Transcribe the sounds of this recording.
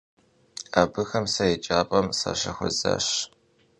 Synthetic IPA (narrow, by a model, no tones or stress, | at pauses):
aːbɨxɐmsɐjet͡ʃʼaːpʼɐmsɐ̰ʃɐxʷʊza̰ːɕ